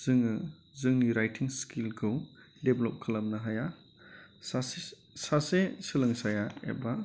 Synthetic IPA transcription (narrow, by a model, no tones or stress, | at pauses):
z̥ɯŋɯ | zɯŋniɾajtʰiŋskʰilkʰɯw | deblɔp̚kʰɐlɐmnɐɦaja | sa | sasesɯlɐŋsajaḛba